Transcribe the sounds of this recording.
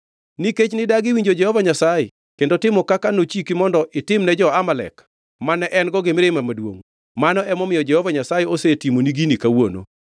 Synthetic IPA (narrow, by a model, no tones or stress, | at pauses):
niket͡ʃnɪdaɡɪwiɲd͡ʒod͡ʒɛhɔvaɲasajɛ | kendotɪmɔkakanot͡ʃikimɔndɔʔɪtɪmnɛd͡ʒɔamalɛ̰k | manɛʔɛnɡɔɡɪmɪɾemamadwo̰ŋ | manɔʔɛmɔmɪjɔd͡ʒɛhɔvaɲasajɛosetimoniɡinikawono̰